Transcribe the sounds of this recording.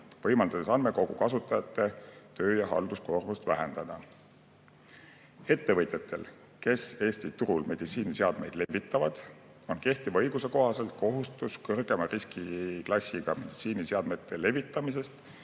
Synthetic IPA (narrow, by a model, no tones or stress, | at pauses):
vɤ̞jmɑld̪ɑd̪̥esɑnme̞ko̞ɡ̥ukɑsut̪ːˑɑjɑt̪ːˑe̞t̪ø̞ːjɑɦɑ̰ld̪usko̞rmust̪væɦe̞nd̪̥ɑd̪̥ɑ | e̞t̪ːe̞vɤt̪ʲˑjet̪ʰːe̞l | ke̞se̞ːst̪it̪uɾulme̞d̪̥it̪siːniseɑd̪̥me̞̰jd̪̥le̞vːit̪ːˑɑvɑd̪̥ | o̞nke̞ht̪ivɤjɡ̥use̞ko̞ɦɑse̞lt̪̚ko̞ɦust̪uskɤrɡ̥e̞mɑriskiklɑsʲːiɡ̥ɑme̞d̪̥it̪siːniseɑd̪̥me̞t̪ːˑe̞le̞vit̪ːˑɑmis̬e̞st̪